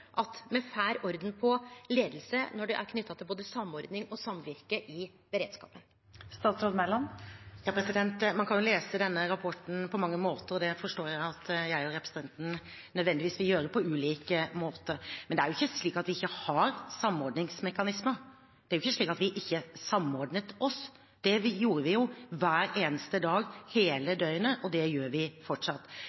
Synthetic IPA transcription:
ʔɑt̪mɛfæːɾɔɾd̪ənpʰɔleːd̪lsənɔɖɛ̰ʔæ̰ɾkʰnʏt̪ʰːɑt̪ʰɪlboːd̪əsɑmːɔɾd̪nɪŋɔsɑmʋɪɾkəʔɪ | b̥əɾeːd̪skɑ̰ːpən | st̪ɑːt̪sɾoːd̪mæɪlɑnjɑːpɾɛsɪd̪ɛnt̪mɑnkʰɑjʊleːsəd̪ɛnːəɾɑpʰɔʈn̩pʰɔmɑŋːəmoːt̪əɾɔd̪ɛfɔʂʈoːɾjæɪɪɑt̪jæɪæɾɛpɾəsəɛnt̪n | nœd̪ʋɛnd̪ɪʋiːsʋɪljøːɾəpʰɔʉːliːkəmoːt̪əɾmɛnd̪ɛæɾjʊɪçːəsliːkɑt̪ʋɪɪçːəhɑɾsɑmɔɾɖnɪŋsmɛkɑnɪsməɾ | d̪ɛæɾjʊɪçːəsɭiːkɑt̪ʋɪʔɪçːəsɑmɔɾɖnət̪ɔs | d̪̥ɛʋjuːɾəʋɪjʊʋæːɾeːnəst̪əd̪ɑːɡheːləd̪œʏənəʔɔd̪ɛjøːɾʋɪfɔʈʂɑt̪ː

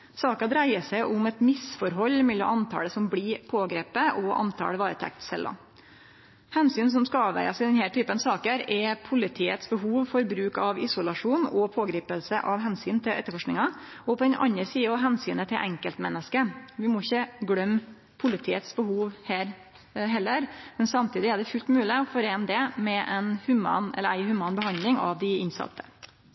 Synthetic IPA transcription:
sɑːkɑd̪ɾæɪəsæɪʔʊmɛt̪mɪsfɔɾɦɔlːmɛlːɔ̰ʔɑnt̪ʰɑ̰ːləsɔmbliːpʰoːɡɾeːpəʔɔʔɑ̰nt̪ʰɑ̰ːləʋɑːɾət̪ʰɛ̰k̚t̪sɛ̰lːɔ̰ | hɛnsyːns̬ɔmskɑɑːʋæ̰ɪɑsɪd̪ɛnhæːʈʰyːpənsɑːkəɾɛpʰʊlɪt̪ʰiːət̪sbəɦuːʋfɔɾbɾʉːkɑʋɪsʊlɑʂuːnɔpʰoːɡɾiːpəlsəʔɑʋhɛnsyːnt̪ʰɪlʔɛ̰t̪ːəɾfɔʂknɪŋɑ | ɔpʰɔɛnʔɑ̰nəɾsiːəɑʋɦɛnsyːnət̪ʰɪlʔɛŋkəlt̪mɛnːəskəʋɪmɔɪçːəɡɽœm | pʰʊlɪt̪ʰiːət̪sbəhuːʋhæːɾ | ɦɛlːəɾmɛnsɑmt̪ʰiːd̪ɪæɖɛfʉlt̪mʉːlɪɔfɔɾeːnd̪ɛmɛʔɛnhʉmɑ̰ːnɛ̰lːəɾæɪhʉmɑːnbəhɑnd̪lɪŋɑ̰ʋd̪ɪɪnsɑ̰t̪ʰːə̥

